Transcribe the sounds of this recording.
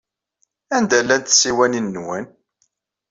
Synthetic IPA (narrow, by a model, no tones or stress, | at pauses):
ænd̪ælːænt̪siwæninːwæn